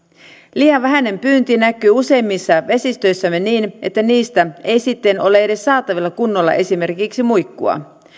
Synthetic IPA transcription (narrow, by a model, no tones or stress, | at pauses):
liːjɑʋʋæɦæne̞mpyːnt̪inækːˑyːuse̞imːisːɑʋe̞sist̪ø̞jsːæmːe̞niːnʔe̞̰t̪ːæniːst̪æe̞jsit̪ːeno̞le̞ede̞sːɑːt̪ɑʋilːɑkunːolːɑ̰ʔe̞sime̞rkiksimujkːuɑ̰